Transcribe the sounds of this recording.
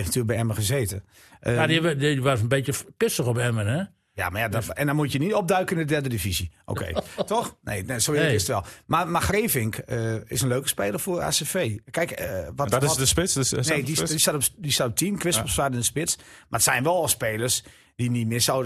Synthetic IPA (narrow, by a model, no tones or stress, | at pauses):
eftnətʰyːləkbɛɛməxəzeːtə | ʔəadiiʋafənbeːtjəpɪsəxɔpɛmənɛ | ja̰majadɔɛndɔnmutjənitɔp̚dœɥkəɪndədɛrdədifiziʔo̰ːkʰḛːtɔxnḛːesoːɪsətʋɛlˠmamaxreːfɪŋkəɪsənløːkə̥speːlˠərfora̰ːsefeːkɛjkʋɔɪsəsɪsneːdisatɔpdisatop̚tʰinkʋɪsposʋadəndəspɪt͡smaətsɛjnʋɛlˠspeːlˠərs | d̥initmɪːsow